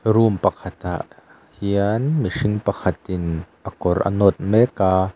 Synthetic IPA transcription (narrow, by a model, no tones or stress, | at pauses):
rumpɐkʰɐt̪a̰ʔ | hianmiʂɪŋpɐkʰɐt̪ɪnʔɐkɔrʔɐ̰nɔt̪̚mɛkːaː